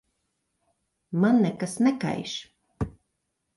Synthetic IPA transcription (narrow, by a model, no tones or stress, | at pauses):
manːɛkasnɛka̰jʃ